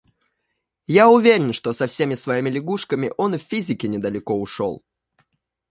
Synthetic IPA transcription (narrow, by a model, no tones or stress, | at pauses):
jaʊvʲeɾʲɪnʂt̪osɐfsʲemʲɪsvɐimʲɪlʲɪɡuʂkəmʲɪ̰ʔo̞nɨfʲfʲizʲɪkʲɪnʲɪd̪əlʲɪko̞ʊʂo̰lˠ